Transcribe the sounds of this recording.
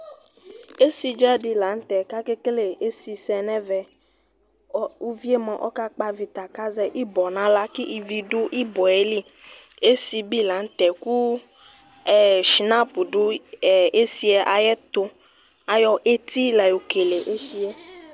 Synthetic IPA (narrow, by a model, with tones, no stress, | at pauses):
e˦si˨d͡ʒɛ˦ɖi˨la˨˦n̩˦t̪ɛ˨ka˦ke˦kle˨e˦si˨sɛ˨nɛ̃˦vɛ˨˦ | u˦vi˦e˦mɔ̃˨ʔɔ̰˦ka˦k͡pa˦vi˨t̪a˨ka˦zɛ˦ʔi˦bɔ˨nã˦la˦ki˦ʔi˨vi˨ɖo˦ʔi˦bɔ˨e˦li˦ | e˦si˨bi˦la˨˦n̩˦t̪ɛ˨ku˦˨ | ʃi˨nã˦pu˨ɖo˦˨e˦si˨˦ɛ˦ʔa˨jɛ˦t̪o˦ | a˨jɔ˦ʔe˦t̪i˦lɛ˨jo˨ke˨le˨ʔe˦si˦ɛ˦